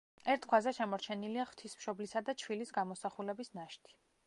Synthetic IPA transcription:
ɛɾt̪ʰkʰwazɛʃɛmɔɾt͡ʃʰɛniliaχv̥t̪ʰismʃɔblisad̪at͡ʃʰwilisɡamɔsaχulɛbisnaʃt̪ʰi̥

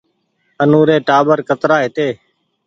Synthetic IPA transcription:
ənuːɾeːʈaːbəɾkət̪ɾaːɦɪt̪eː

